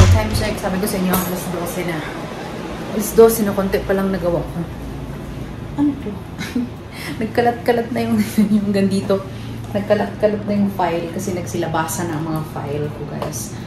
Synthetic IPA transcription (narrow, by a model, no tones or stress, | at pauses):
ɐt̪ajmʃɐnɐksaːbɪkosɛʔɪɲːoɐŋʔɐlɐsd̪o̞ːsɛnɐ | ʔɐlɐsd̪oːsɛnɐkont̪ɛpɐlɐŋnɐɡɐwak | ʔɐnɐt̪o | nɐɡ̚kɐlɐt̪̚kɐlɐt̪̚nɐjʊŋjʊŋɡɐnd̪iːt̪o̞ | nɐɡ̚kɐlɐt̪̚kɐlɐt̪̚nɐjʊŋfajlkɐsɛnɐɡ̚sɪlɐbaːsɐnɐɐŋmɐŋafa̰jlkʊɡa̰s